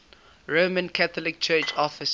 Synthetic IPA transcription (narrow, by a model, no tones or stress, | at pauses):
ɹoːmə̃nkʰaθɔlɪk̚t͡ʃʰɜːt͡ʃɔfɪs